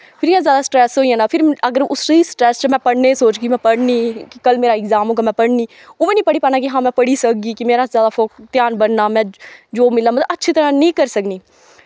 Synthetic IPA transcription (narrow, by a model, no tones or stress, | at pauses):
pʰɪɾjãzjaːd̪asʈɾɛːsɦoːiãnaːpʰɪɾəɡəɾʊsisʈɾɛːst͡ʃamɛ̃pəɽnesoːt͡ʃkimɛ̃pəɽniːkikəlmeːɾaɪɡzaːmõkamɛ̃pəɽniː | ʊmẽnĩːpəɽiːpəɾnaːk̬iɦãːmɛ̃pəɽisəkɡikimeːɾazjaːd̪afoːkt̪jaːnbəɽnaːmɛ̃ːd͡ʒoːmɪlamət̪ətːʃʰit̪əɾãnĩːkəɾsəkniː